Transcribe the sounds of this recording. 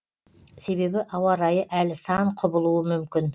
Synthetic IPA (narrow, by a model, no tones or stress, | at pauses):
se̞be̞bɪʔɑwɑɾɑjəʔælsɑɴqʰʊbəlˠuəmʏmkʲɪn